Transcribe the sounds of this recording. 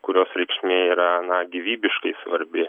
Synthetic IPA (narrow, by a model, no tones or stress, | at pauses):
kʊɾʲoːsɾʲɛɪkʃʲmʲeːiːɾɐnɐɡʲiʋʲiːbʲɪʃkɐɪsʋɐɾʲbʲɪ